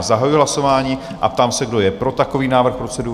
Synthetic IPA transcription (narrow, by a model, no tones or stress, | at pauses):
zaɦajuiɦlasovaːɲiː | ʔa̰p̚t̪aːmsɛɡdo̞jɛpɾo̞t̪ako̞viːnaːvrxpɾo̞t͡sɛdu